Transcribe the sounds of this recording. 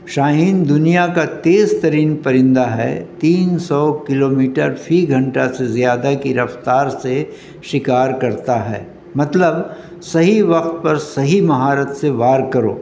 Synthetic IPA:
ʃaːɦiːnd̪ʊnijakat̪eːzt̪ɐɾiːnpɐɾɪ̃nd̪aɦɛ̰t̪iːnsɔːkɪloːmiːʈəɾfʰiɡʱɐ̃ɳʈasezjaːd̪akiɾɐft̪aːɾse | ʃɪkaːɾkɐɾt̪aɦɛ̰ː | mɐt̪ləb | sɐɦiʋɐq̚t̪̚pɐɾsɐɦimɐɦaːɾət̪seʋaːɾkɐɾo̰ː

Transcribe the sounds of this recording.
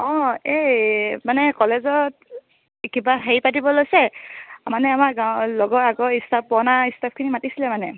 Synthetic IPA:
ɔ̃ejmanɛkɔlezɔt | kibaɦeipatibɔlojsɛmanɛamaɡalɔɡɔaɡɔistʰap̚ːɔnaistʰap̚kʰinimatisilɛmanɛ

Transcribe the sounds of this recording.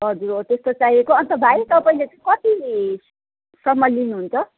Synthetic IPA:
ɦʌd͡zuɾot̪est̪ot͡sajekoʌnt̪ʌbʱajt̪ʌpaĩlet͡sʌkʌt̪i | sʌmːʌjlinuɦunt͡sʰʌ

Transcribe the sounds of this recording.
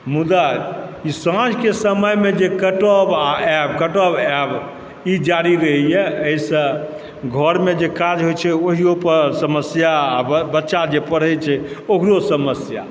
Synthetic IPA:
mud̪aisãd͡ʒkesəməjmed͡ʒekəʈəbaɛb̚kəʈəbɛb | id͡ʒaɾiɾəɦijɛəisə̃ | ɡʱəɾmed͡ʒekad͡ʒɦojt͡ʃʰɛoɦijopəɾsəməsjaːbətːʃad͡ʒepəɽ̤ɛjt͡ʃʰɛoɦɾosəməsja̰

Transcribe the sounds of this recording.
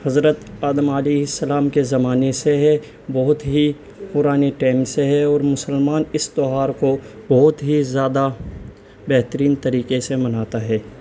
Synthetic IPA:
hɐzɾət̪aːd̪əmaleːɦɪsːəlaːmkezɐmaːneseɦɛ | bɔɦʊt̪ɦi | pʊɾaːniʈaːɪmseɦɛɔːɾmʊsəlmaːnɪst̪oɦaːɾkobɔɦʊt̪ɦizjaːd̪a | bɛɦt̪əɾiːnt̪əɾiːkesemɐnaːt̪aɦɛː

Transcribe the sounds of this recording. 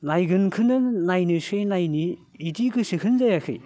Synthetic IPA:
najɡɯnkʰɯnɯnajnɯsɯjnajniː | tikʰɯsɯkʰɯnzajakʰɯ̰j

